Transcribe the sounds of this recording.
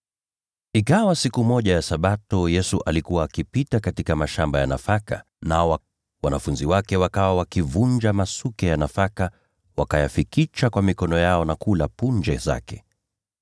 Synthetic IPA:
ikawasikumɔʄajasaɓatɔjɛsuʔalikuwaːkipitakatikamaʃambajanafaka | naɔwa | wanafunziwakɛwakawawakivund͡ʒamasukɛjanafaka | wakajafikit͡ʃakwamikɔnɔjaɔnakulapund͡ʒɛza̰kɛ

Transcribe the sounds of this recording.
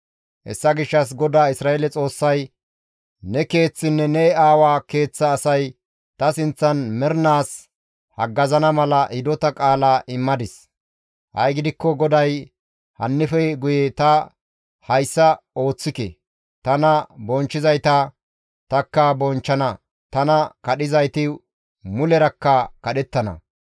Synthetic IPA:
ʔɛ̰sːɐɡɪʃːɐs̬ɡɔd̪aːɪsɾaːelɛt͡sʼo̞ːsːɐj | nɛke̞ːt͡sːɪnːɛnɛaːwaːke̞ːt͡sːɐːsɐj | t̪ɐsɪnt͡sːɐnmɛɾnaːs | hɐɡːɐzɐnɐmɐlɐʔɪd̪ɔt̪ɐkʼaːlaːʔɪmːɐd̪ɪs | hɐ̰jɡɪd̪ɪkːɔɡɔd̪ɐj | hɐ̰nːɪfɛɡʊjɛt̪ɐ | hɐjsːɐo̞ːt͡sːɪkɛ̰ | t̪ɐnɐbɔnt͡ʃːɪzɐjt̪ɐ | t̪ɐkːɐbɔnt͡ʃːɐnɐ | t̪ɐnɐkɐɗɪzɐjt̪ɪ | mʊlɛɾɐkːɐkɐɗɛt̪ːɐnɐ̰

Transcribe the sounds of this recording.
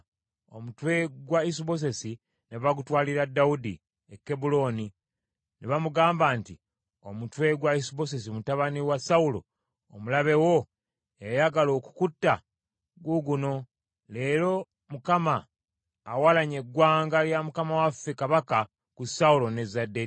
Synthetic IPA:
omutwe̞ɡwaisiβo̞s̬e̞si | neβaɡutwaːliɾadːaudi | ekːebulo̞ːni | neβamuɡaːmbaːnti | o̞mutwe̞ɡwaisiβo̞s̬e̞simutaβaniwasaulo̞̰ː | mulaβe̞wo̞ | ejajaɡalo̞ːku̥kutːa | ɡwuɡuno̞ | le̞ːɾo̞ | mukamaː | walaɲe̞ɡwaːŋɡaljamukamawafekaβaka | kusaulo̞ne̞zade

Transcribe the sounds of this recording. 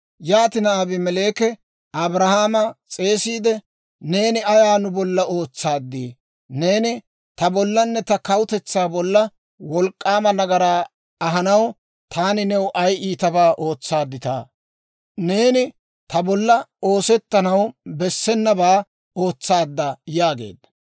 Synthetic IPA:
jaːt̪ɪnɐabɪmɛle̞ːkɛ | ʔɐbɾɐhaːmɐt͡sʼe̞ːsiːd̪ɛ | ne̞ːnɪɐjaːnʊbɔlːɐo̞ːt͡sːaːd̪ːiː | ne̞ːnɪ | t̪ɐbɔlːɐnːɛt̪ɐkɐwʊt̪ɛt͡sːaːbɔlːɐ | wɔlkʼːaːmɐnɐɡɐɾaː | ɐɦɐnɐw | t̪ʰaːnɪnɛwʔɐjiːt̪ɐbaːʔo̞ːt͡sːaːd̪ːɪt̪a̰ː | ne̞ːnɪ | t̪ɐbɔlːɐo̞ːsɛt̪ːɐnɐwbɛsːɛnːɐbaː | o̞ːt͡sːaːd̪ːɐjaːɡe̞̰ːd̪ːɐ̥

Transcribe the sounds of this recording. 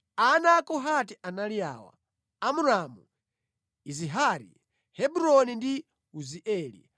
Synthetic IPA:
anakɔɦatiʔanalija̰ːwa̰ | amuɾamu | iziɦaɾḭ | hɛbuɾɔnindi | uziʔɛːlḭ

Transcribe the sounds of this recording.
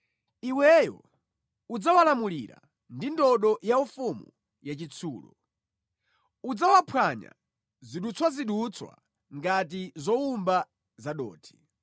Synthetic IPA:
iwɛjɔ̰ | ud͡zawalamuliɾa̰ | ndindɔɗɔjaufumu | jat͡ʃit͡sʰuːlɔ̰ | ud͡zawapʰwaɲa̰ | ziɗut͡sʰwaziɗut͡sʰwa̰ | ŋɡat̬izɔumba | zaɗɔːtʰi̥

